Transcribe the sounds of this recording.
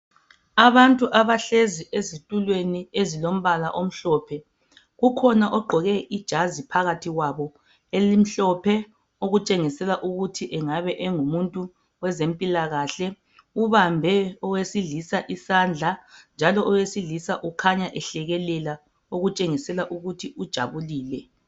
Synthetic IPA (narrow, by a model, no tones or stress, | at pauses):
aβantʼuʔaβaɬeziʔezitʼulweniezilom̩βala̰ʔom̩ɬɔːpʰɛ | ɣukʰɔnaʔɔɡ͡ǃʱɔɣɛʔid̥ʒ̥ʱazipʰaɣatʰiɣwaβɔ | elim̩ɬɔpʰɛ | oɣut͡ʃʼeŋisɛlaʔuɣutʰiʔɛŋaβɛʔɛŋumuntʼu | wɛzempʼilaɣaːɬɛ | uβambʱɛɔwesiɮisaʔisand͡ɮʱand͡ʒʱalɔʔɔwesiɮisaʔukʰaɲaʔɛɬɛɣɛlɛla | oɣut͡ʃʼeŋisɛlaʔuɣutʰiʔud̥ʒ̥ʱa̰βuliːlɛ